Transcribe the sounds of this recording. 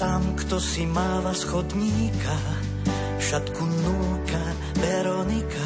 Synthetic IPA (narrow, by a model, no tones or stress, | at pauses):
t̪amkt̪ɔsimaːlasxɔd̪ɲiːkʰa | fʃat̪kunuːka | vɛɾɔnika